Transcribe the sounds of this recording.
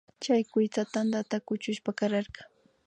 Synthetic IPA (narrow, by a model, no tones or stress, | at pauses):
t͡ʃajkʊjt͡sat̪and̪at̪akʊt͡ʃʊʃpakaɾɑɾɢɑ